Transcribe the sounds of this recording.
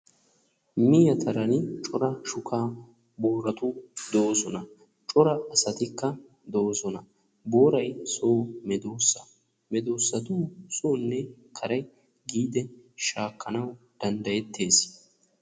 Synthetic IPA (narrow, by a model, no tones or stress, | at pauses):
mɪjɐt̪ʰɐɾɐnɪt͡ʃʼɔɾɐʃʊkʰaː | bo̞ːɾɐt̪ʊd̪o̞ːsɔnɐ | t͡ʃʼɔɾɐːsɐt̪ɪkːɐ | d̪o̞ːsɔnɐ | bo̞ːɾɐjsoːmɛd̪oːsːɐ | mɛd̪oːsːɐt̪ʊːsoːnːɛkʰɐɾɐj | ɡiːd̪ɛʃaːkʰːɐnɐwd̪̥ɐnd̪ɐjɛt̪ːe̞ːs